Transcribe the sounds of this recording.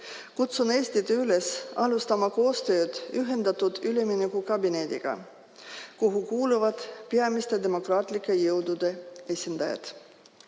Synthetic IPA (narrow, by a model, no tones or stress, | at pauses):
kut̪sune̞ːsʲt̪id̪eyle̞sɑlust̪ɑmɑko̞ːst̪ø̞ːd̪̥yɦe̞nd̪ɑt̪ud̪̥yleminekukɑbine̞d̪̥iɡ̥ɑ̰ | kuɦukuːluvɑd̪̥peɑmist̪e̞d̪e̞mo̞krɑːt̪ˑlikːˑe̞jɤwd̪ud̪̥e̞esʲind̪̥ɑjɑ̰d̪̥